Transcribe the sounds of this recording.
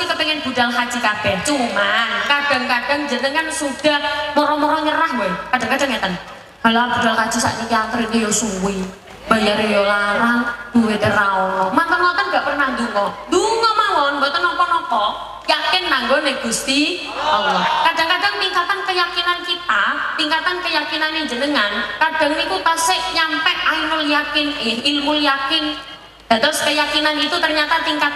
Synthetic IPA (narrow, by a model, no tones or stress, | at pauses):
ik̪ət̪əŋɛnb̥udalɦad͡ʒikab̥ɛht͡ʃumankad̥a̤ŋkad̥aŋd͡ʒənəŋkansud̥ahmɔɾɔmɔɾɔɲəɾahbakad̥aŋkad̥aŋat̪an | halb̥udalkḁd͡ʒ̥usa̰ʔɲikaŋt̪əɾiɲəjɔsuwi | b̥ajaɾijɔlaɾaŋb̥uwet̪eɾaɔlɔmant̪əŋɔt̪anɡaʔpərnahd̪uŋɔd̪uŋɔmawɔnbɔt̪ɔnːɔkɔnɔkɔ | jakɪnːaŋɡɔnɛhɡ̥ust̪i | ɔlɔkad̥a̤ŋkadaŋt̪iŋkat̪ankəjakinankit̪at̪iŋkat̪ankəjakinaned͡ʒənəŋankad̥a̤ŋnikut̪əsɪʔɲampɛʔainʊljakɪnɪhilmuljakɪn | d̪̥a̤t̪ʊskəjakinanit̪ut̪ərɲat̪at̪iŋka